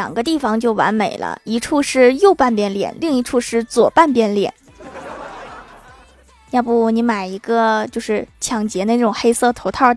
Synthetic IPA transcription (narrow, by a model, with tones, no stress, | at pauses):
jɑ̰˨˩ŋɡə˦t̪i˥˩fɑ˧ŋt͡ɕjo˥˩ʊwa̰˧˥nme˨˩ɪlə̰˦i˧˥ʈ͡ʂʰu˥˧ʂɻ̩˥˧jo˥˧ʊpa˥˩npjɛ˥˩nljɛ̰˨˩˦nli˥˩˧ŋi˧˥ʈ͡ʂʰu˥˧ʂɻ̩˥˩t͡swɔ˨˩pa˥˩˧npjɛ˥˩nljɛ̰˨˩˦n | nja˥˧pu˥˩ni˧˥ma˨˩ɪi˧˥ɡə˧t͡ɕjo˥˧ʊʂɻ̩˥˩t͡ɕʰjɑ˧˩ŋt͡ɕjɛ˧˥nə˧nʈ͡ʂa˥˩ʈ͡ʂʊ˨˩ŋxe˥ɪsɤ˥˩t̪ʰo˧˥ʊt̪ʰɑ˥˩ʊ